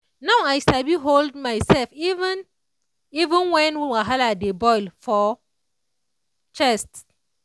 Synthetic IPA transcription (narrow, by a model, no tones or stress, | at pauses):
nawajʃabiɦoldmajsɛlfivɛ̃n | ivə̃nwɛ̃nwiwaɦaladebɔjlfɔ | t͡ʃɛst